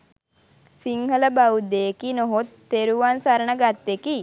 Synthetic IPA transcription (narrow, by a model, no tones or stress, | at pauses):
siŋhələbaud̪eːkinoɦot̪ːeɾuʋansaɾənəɡat̪ːeki